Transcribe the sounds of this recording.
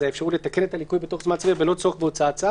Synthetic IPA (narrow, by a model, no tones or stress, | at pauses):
eefʃaʁulet̪ake̞netalikujbet̪o̞χzmant͡sviabelo̞t͡soχbeot͡saat͡sa